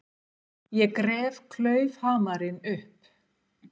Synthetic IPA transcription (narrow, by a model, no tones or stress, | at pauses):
jɛkɾɛːv̥kʰlœːɥvhaːmaɾɪnʏhp